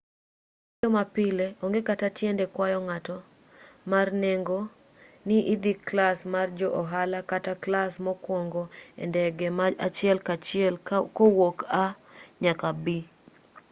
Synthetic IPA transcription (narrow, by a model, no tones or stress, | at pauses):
ɔmapɪleɔŋɡekatatjɛndɛkwajɔŋatɔ | marneŋɡo | niʔid̪ikːlasmard͡ʒɔʔɔɦalakataklasmɔkwɔŋɡoḛndɛɡemaat͡ʃɪɛlkat͡ʃɪɛlkowoka | ɲakabi